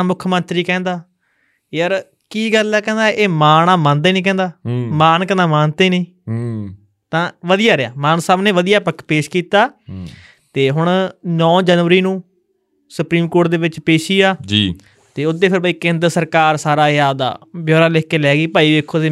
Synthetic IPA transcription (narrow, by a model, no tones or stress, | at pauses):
mʊkʰmənt̪ɾiːkɛ̃ːnd̪aː | jəɾ | kiːɡəlːɛːkɛ̃ːnd̪aːʔeːmaːnaːmãːnd̪eːnĩːkɛ̃ːnd̪aːmaːnkɛ̃nd̪aːmaːnt̪eːnĩː | t̪ãːʋəd̪ijaːɾɪa̰ːmaːnsaːbneːʋəd̪ijaːpəkʰpeːʃkiːt̪aː | t̪eːɦʊɳnɔ̃ːd͡ʒəːnʋəɾiːnũː | sʊpɾiːmkoːʈ̚d̪eːʋɪt͡ʃpeːʃiːaːd͡ʒi | t̪eːʊt̪ːeːpʰɪɾbəiːkẽːnd̪ɾsəɾkaːɾsaːɾaːɪaːd̪a̰ːbjoːɾaːleːkːeːlɛːɡiːpaːiːʋeːkʰːoːt̪eː